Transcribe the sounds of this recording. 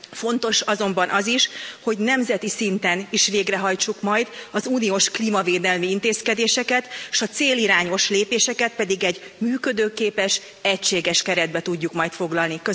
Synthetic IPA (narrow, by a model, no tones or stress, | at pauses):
fo̞nt̪o̞ʃɒzo̞mbɒnʔɒziʃho̞ɟnɛmzɛt̪isint̪ɛniʃʋeːɡrɛɦɒjt͡ʃukmɒjd̪ɒzuːnioːʃkliːmɒveːd̪ɛlmiint̪eːskɛd̪eːʃɛkɛt̪ʃɒt̪seːliɾaːɲo̞ʃleːpeːʃɛkɛt̪̚pɛd̪iɡɛɟ | myːkø̞d̪øːkeːpɛʃ | ɛcʃeːɡɛʃkɛɾɛd̪̚bɛt̪uɟːukmɒjt̪fo̞ɡlɒlnikø